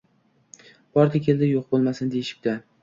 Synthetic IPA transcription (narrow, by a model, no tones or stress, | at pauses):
b̥ɒɾd̪ʲakʲʰe̞ld̪ɪjoqbolˠmasɪnd̪ejɪʃɪ̥p̚d̪a